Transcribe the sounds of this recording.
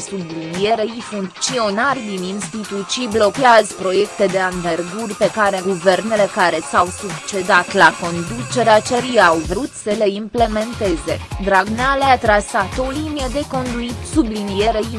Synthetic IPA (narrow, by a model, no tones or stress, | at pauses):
sublinije̞ɾeifuŋkt̪sio̞narʲd̪ininst̪it̪ut̪sijblo̞keazpɾo̞je̞kt̪e̞d̪e̞anverɡurʲpe̞kaɾe̞ɡuverne̞le̞kaɾe̞sawsukt͡ʃe̞d̪at̪lako̞nd̪ut͡ʃe̞ɾeat͡ʃeɾijawvɾut̪səle̞imple̞me̞nt̪e̞ze̞d̪ɾaɡnaleat̪ɾasat̪o̞linijəd̪e̞ko̞nd̪uisublinijeɾe̞i